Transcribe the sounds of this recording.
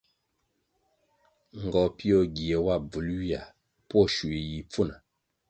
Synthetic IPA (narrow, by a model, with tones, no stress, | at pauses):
ŋ˨ɡɔ˨pi˦ɔ˦ɡi˨e˨wa˦˨b͡vu˨lwi˦a˨ | pɔ˦ʃu˨i˨ji˨p͡fu˦˨na˨